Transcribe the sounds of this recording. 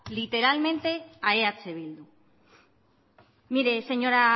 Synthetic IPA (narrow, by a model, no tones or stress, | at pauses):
lit̪e̞ɾalmẽ̞nt̪e̞aeat͡seβ̞ild̪u | miɾe̞se̞ɲo̞ɾa